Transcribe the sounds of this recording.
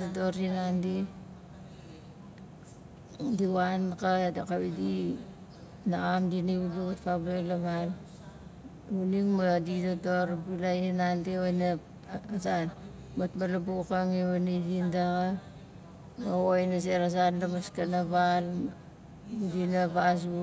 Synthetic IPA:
datoɾinandi | diwankadakaβidi | naamdiniβuduβatpablalaβal | uniŋmadidatoɾbilaihinandiojna | san | batbalabukaŋeβanidindaɣa | maojnas̬eɾas̬anlamaskanaβal | udinapasu

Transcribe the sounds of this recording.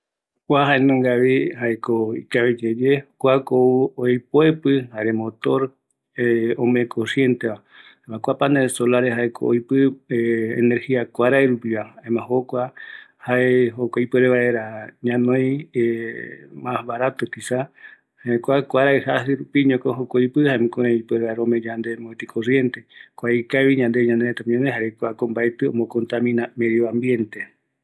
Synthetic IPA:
kʷaɦaenõŋɡaʋihaekoikaβed͡ʒed͡ʒekʷakouojpoepɨhaɾemõt̪o̞ɾ | eõmeẽkʰosje̞nt̪eβa | amãkʷapanesolaɾehaekʰo̰o̰jpɨeeneɾhiakʷaɾaeɾupiβaemãhokʷahaeɦokʷaipɨɾeβaeɾaɲãnõje | masbaɾat̪ot̪isa | haekʷakʷaɾaehasɨɾupiɲõkoɦokʷajpɨhaemĩkoɾẽipɨɾeβaeɾaomẽd͡ʒand̪emoet̪ikʰorje̞nt̪e̞kʷajkaβiɲãnd̪e̞ɲãnd̪eet̪amɲãneɦaɾekʷakombaet̪ɨõ̰mbõkont̪amĩnameðjoãmbje̞nt̪e

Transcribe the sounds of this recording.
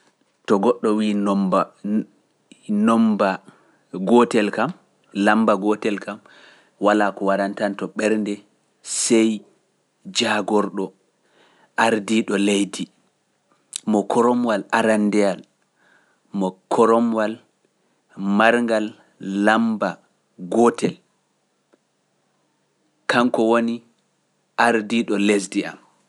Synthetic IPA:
tɔɡɔɗːɔwiːn | nɔmba | ɡɔtɛlkam | lambaɡɔtɛlkam | walaːkɔwaɾantantɔɓɛɾndɛ | sɛj | d͡ʒaɡɔɾɗɔ | ʔaɾdiɗɔlejdi | mɔkʰɔɾɔmwalaɾandɛal | mɔkʰɔɾɔmwal | maɾŋɡalː | amba | ɡɔtɛl | kaŋkɔwoni | ʔaɾdiɗɔles̬dia̰m

